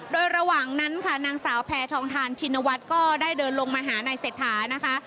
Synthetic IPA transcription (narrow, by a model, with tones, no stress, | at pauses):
doː˧jɾa˧waː˨˩ŋna˦˥nkʰa˥˩naː˧ŋsaː˩˦wpʰɛː˧t̪ʰɔː˧ŋt̪ʰaː˧nt͡ɕʰi˧nːa˧wa˦˥t̪̚kɔː˥˩daː˥˩jdɤː˧nlo˧ŋmaː˧ɦaː˩˦na˧jseː˨˩t̪ʰːaː˩˦na˦˥kʰa˦˥ʔ